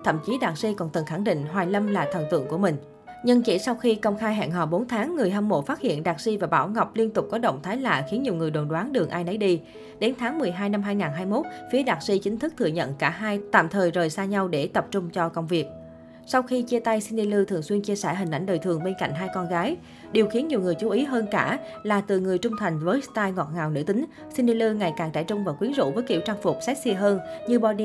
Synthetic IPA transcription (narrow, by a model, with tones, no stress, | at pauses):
t̪ʰə̰˧˨mt͡ɕi˨˦ɗaː˨˩k̚si˧kɔ˨˩nt̪ɨ˨˩ŋxa˧˩ŋɗḭ̈˧˨ŋ̟ɦwaː˨˩jlə˧mlaː˨˩t̪ʰə˨˩nt̪wɨ̰˧˨əŋku˧˩əmï˨˩ŋ̟ | ɲɨ˧ŋt͡ɕḭ˧˩sa˧wxi˧kə˧wŋ͡mxaː˧jɦɛ̰ː˧˨nɦɔ̰˧˨˩ɓo˨˦nt̪ʰaː˨˦ŋːɨ˨˩əjhə˧mmo̰˧˨faː˦˥t̚hḭ˧˨ənɗaː˨˩k̚si˧vaː˨˩ɓa̰ː˧˩wŋa˨˩wk͡p̚li˧ənt̪ʊ˨˩k͡p̚kɔ˨˦ɗə̰˧˨wŋ͡mt̪ʰaː˨˦jla̰ː˧˨xi˨˦ənɲi˨˩əwŋɨ˨˩əjɗo˨˩nɗwaː˨˦nɗɨ˨˩əŋʔaː˧jnɔ˨˦jɗi˧ | ɗe˨˦nt̪ʰaː˨˦ŋmɨ˨˩əjɦaː˧jna˧mɦaː˧jŋaː˨˩nɦaː˧jmo˦˥t̚fi˨˦əɗaː˨˩t̚si˧t͡ɕï˨˦ŋ̟t̪ʰɨ˦˥k̚t̪ʰɨ̰˧əɲə̰˧˨nkaː˧˩ɦaː˧jt̪a̰ː˧˨mt̪ʰəː˨˩jzəː˨˩jsaː˧ɲa˧wɗe˧˩t̪ə˨˩p̚t͡ɕʊ˧ŋ͡mt͡ɕɔ˧kə˧wŋ͡mvi˨˩ək̚ | sa˧wxi˧t͡ɕi˧ət̪a˧jsi˧ni˧lɨ˧t̪ʰɨ˨˩əŋswi˧ənt͡ɕi˧əsɛ̰ː˧˩ɦi˨˩ŋ̟ʔa̰˧˩jŋ̟ɗəː˨˩t̪ʰɨ˨˩əŋɓe˧nka̰˧˨jŋ̟ɦaː˧jkɔ˧nɣaː˨˦j | ɗi˨˩əwxi˨˦ənɲi˨˩əwŋɨ˨˩əjt͡ɕu˨˦ʔi˨˦ɦəː˧nkaː˧˩ | laː˨˩t̪ɨ˨˩ŋɨ˨˩əjt͡ɕʊ˧ŋ͡mt̪ʰa˨˩jŋ̟vəː˨˦jst̪aː˧jŋɔ˨˩t̚ŋaː˨˩wnɨ̰˧˥t̪ï˨˦ŋ̟ | si˧nɗi˧lɨ˧ŋa˨˩jkaː˨˩ŋt͡ɕa̰ː˧˩jt͡ɕʊ˧ŋ͡mvaː˨˩wkwi˨˦ənzṵ˧˥vəː˨˦jkḭ˧˩əwt͡ɕa˧ŋfʊ˨˩k͡p̚sɛ˦˥t̚si˧əɦəː˧nɲɨ˧ɓɔ˧ɗi˧